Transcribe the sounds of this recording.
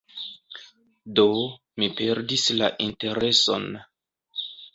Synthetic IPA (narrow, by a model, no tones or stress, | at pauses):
do̞ | mipe̞ɾdisla̰ʔinte̞ɾe̞so̞̰n